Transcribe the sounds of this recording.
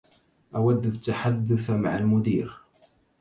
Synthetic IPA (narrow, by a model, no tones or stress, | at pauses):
ʔawad̪ːat̪ːaħad̪ːʊθma̰ʕalmʊd̪iːɾ